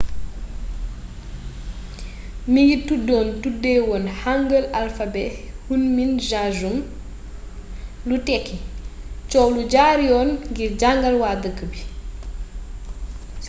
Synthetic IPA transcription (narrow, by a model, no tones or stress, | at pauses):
miɡitudːɔːntudːɛːwɔːnhaŋɡəlalfabɛhunminʒad͡ʒum | lutɛkːit͡ʃɔwluɟaɾiɔnɡiɾɟaŋɡɐlwaːdəkːəbi